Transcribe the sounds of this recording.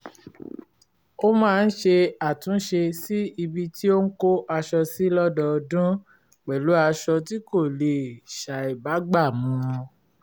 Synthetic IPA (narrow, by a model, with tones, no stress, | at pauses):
o˦mãː˦˧n̩˦ʃe˧a˨tũ˨˦ʃe˧si˦i˧bi˦ti˦o˦ŋ̩˦ko˦ʔa˧ʃɔ˧si˦lɔ˦dɔ˧dũ˦ | k͡pɛ˨lu˨˦a˧ʃɔ˧ti˦ko˦˨le˨ʃa˨i˨ba˨˦ɡ͡ba˦˨m̃ũ˧